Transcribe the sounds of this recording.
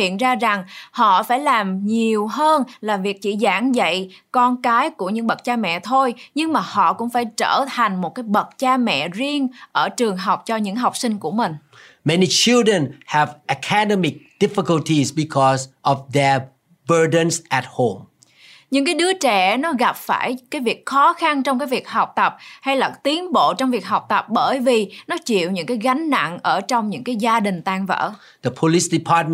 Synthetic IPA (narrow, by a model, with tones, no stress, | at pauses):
hḭ˧˨ənzaː˧za˨˩ŋhɔ̰˧˨faː˧˩jlaː˨˩mɲi˨˩əwɦəː˧nlaː˨˩vi˨˩ək̚t͡ɕi˧˩zaː˧˩ŋzə̰˧˨jkɔ˧nkaː˨˦jku˧˩əɲɨ̰˧˥ŋɓə˨˩t̚t͡ɕaː˧mɛ̰˧˨t̪ʰo˧jɲɨ˧ŋmaː˨˩hɔ̰˧˨kʊ̰˧˥ŋ͡mfaː˧˩jt͡ɕəː˧˩t̪ʰa˨˩jŋ̟mo˨˩t̚kaː˨˦jɓə˨˩t̚t͡ɕaː˧mɛ̰˧˨zi˧əŋʔəː˧˩t͡ɕɨ˨˩əŋɦa˨˩wk͡p̚t͡ɕɔ˧ɲɨ̰˧˥ŋɦa˨˩wk͡p̚sï˧ŋ̟ku˧˩əmï˨˩ŋ̟ | mɛnit͡ʃildɹə̃nhɛvʔəkʰadɛmɪk̚d̥ɪfikəltʰisbikʰɔsʔɔvd̪ɛ | bədə̃nsʔɛt̚hõm | ɲɨ̰˧˥ŋkaː˨˦jɗɨ˨˦ət͡ɕɛ˧˩nɔ˨˦ɣa˨˩p̚fa̰ː˧˩jkaː˨˦jvi˨˩ək̚xɔ˨˦xa˧nt͡ɕɔ˧wŋ͡mkaː˨˦jvi˨˩ək̚ha˨˩wk͡p̚t̪ə˨˩p̚ha˧jlaː˨˩t̪i˨˦ənɓo̰˧˨t͡ɕɔ˧wŋ͡mvi˨˩ək̚ɦa˨˩wk͡p̚t̪ə˨˩p̚ɓəː˧˩jvi˨˩nɔ˨˦t͡ɕḭ˧˨əwɲɨ̰˧˥ŋkaː˨˦jɣa˨˦ŋ̟na̰˧˨nʔəː˧˩t͡ɕɔ˧wŋ͡mɲɨ̰˧˥ŋkaː˨˦jzaː˧ɗï˨˩ŋ̟t̪aː˧ŋvə̰ː˧˥ | d̪̥əpʰolisdipʰat̚m